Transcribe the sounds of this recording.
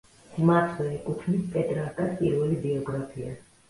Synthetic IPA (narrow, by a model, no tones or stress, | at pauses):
mat̪ʰvɛːkʼut̪ʰnispʼɛt̪ʼɾaɾt̪ʼad̪pʼiɾwɛlibiɔɡɾapʰia̰